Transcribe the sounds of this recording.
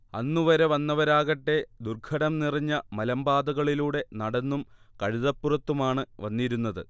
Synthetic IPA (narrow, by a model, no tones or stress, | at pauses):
ɐnːuʋɐɾe̞ʋɐnːɐʋɐɾaːɣɐʈːe̞d̪urkʰɐɽɐmniriɲːɐmɐlɐmbaːd̪ɐɣɐɭiluːɽe̞nɐɽɐnːum | kɐɻiðɐpːurɐt̪ːumaːɳɨʋɐnːiɾunːɐðɨ